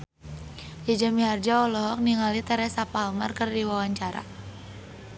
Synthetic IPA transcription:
jad͡ʒamiɦard͡ʒaɔlɔɦɔk̚niŋalit̪əɾɛsapalmarkɨrdiwawaɲt͡ʃaɾa̰

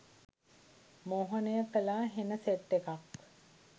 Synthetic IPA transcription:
moːɦɐnəjəkəlaːɦenəseʈːekak

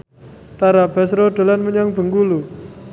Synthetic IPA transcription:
t̪aɾab̥asɾoɖ̥o̤lanməɲaŋb̥ə̤ŋɡulu

